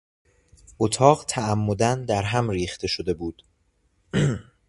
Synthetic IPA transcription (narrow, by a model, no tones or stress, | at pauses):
ʔot̪ʰɒːɢt̪ʰææmːo̞d̪ænd̪æɾɦæmɾiːxt̪ʰe̞ʃod̪e̞buːd̪̥